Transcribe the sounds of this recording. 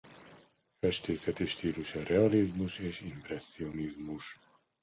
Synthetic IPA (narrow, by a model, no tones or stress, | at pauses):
fɛʃt̪eːsɛt̪iʃt̪iːluʃɒrɛɒlizmuʃeːʃimprɛsːio̞nizmuʃ